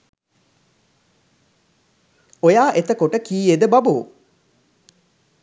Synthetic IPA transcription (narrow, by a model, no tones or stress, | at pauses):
ojaːʔet̪əkoʈəkiːed̪əbaboː